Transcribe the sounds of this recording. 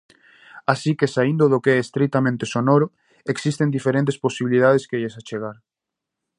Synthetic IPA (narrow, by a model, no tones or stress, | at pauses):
asikesaind̪ʊðokeɛest̪ɾit̪amẽnt̪esonoɾʊ | eksist̪end̪ifeɾẽnt̪̬esposiβilið̞aðeskeʎesat͡ʃeɣaɾ